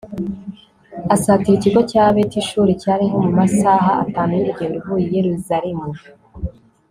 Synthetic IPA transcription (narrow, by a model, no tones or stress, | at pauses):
asaːtiɾiciɡo̞caːβetiʃuːɾicaːɾiɦomumasaːɦaa̰taːnujiɾiɟeuɾivujijeɾuzaɾemu